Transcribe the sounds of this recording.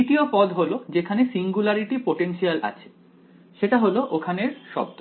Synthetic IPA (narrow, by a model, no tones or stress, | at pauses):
iʈiopɔd̪ɦolod͡ʑekʰanesiŋɡulaɾiʈipoʈenʃialʔa̰t͡ɕʰe̥ | ʃeʈaɦoloʔokʰaneɾʃɔ̰b̚d̪o